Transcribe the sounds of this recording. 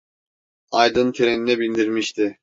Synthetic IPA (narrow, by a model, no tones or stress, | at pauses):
ajd̪ɯnt̪ʰeɾeninɛbilʲd̪iɾmiʃt̪ʰɪ